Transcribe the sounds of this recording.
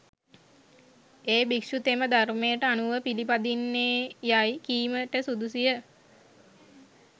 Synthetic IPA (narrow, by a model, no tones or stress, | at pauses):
eːbikʃut̪eməd̪ʱarmejəʈəanuʋəpilipad̪inːeːjajkiːməʈəsud̪usijə